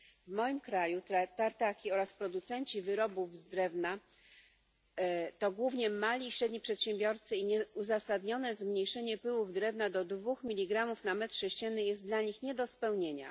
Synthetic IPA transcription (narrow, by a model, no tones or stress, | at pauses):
vmɔjimkɾajut̪t̪aɾt̪akʲiɔɾaspɾɔd̪ut̪sɛɲt͡ɕivɘɾɔbuvzd̪ɾɛvna | t̪ɔɡwuvɲɛmalʲiːɕɾɛd̪̚ʲɲipʂɛt̪ɕɛmbʲjɔɾt̪sɘiɲɛuzasad̪ɲɔnɛzmɲejʂɛɲɛpɘwuvd̪ɾɛvnad̪ɔd̪vuxmʲilʲiɡɾamufnamɛt̪ʂɛɕt͡ɕɛnːɘjɛst̪̚d̪laɲixɲɛd̪ɔspɛwɲeɲa̰